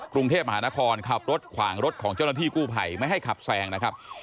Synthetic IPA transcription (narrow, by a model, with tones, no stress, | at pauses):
kɾu˧ŋt̪ʰeː˥˩p̚ma˧aː˩˦na˦˥kʰɔː˧nkʰa˨˩p̚ɾo˦˥t̪̚kʰwaː˩˦ŋɾo˦˥t̪̚kʰɔː˩˦ŋt͡ɕa˥˩wnaː˥t̪ʰiː˥˩kuː˥˩pʰa̰˧jma˥˩jɦa˥˩jkʰa˨˩p̚sɛː˧ŋna˦˥kʰa˦˥p̚